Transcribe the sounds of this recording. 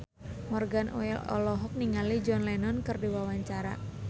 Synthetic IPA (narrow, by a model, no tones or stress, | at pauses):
mɔrɡanʔo̰ɛlɔ̰lɔɦɔk̚niŋalid͡ʒɔnlɛnɔnkɨrdiwawaɲt͡ʃaɾa̰